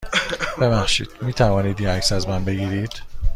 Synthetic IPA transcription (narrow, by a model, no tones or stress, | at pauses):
b̥e̞bæxʃḭːd̪̥miːt̪ʰævɒːniːd̪jeæksæzmænbe̞ɡiːɾiːd̪̥